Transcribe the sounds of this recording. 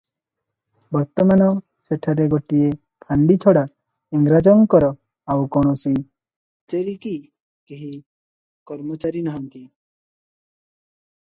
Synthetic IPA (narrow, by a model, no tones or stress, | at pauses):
bɔɾt̪ɔmanɔ | seʈʰaɾeɡoʈie | pʰaɳɖit͡ʃʰɔɽa | iŋɡɾad͡ʒɔŋkɔɾɔ | awkɔɽ̃ɔsi | t͡ʃeɾiki | keɦi | kɔɾmɔt͡ʃaɾinaɦɔnt̪i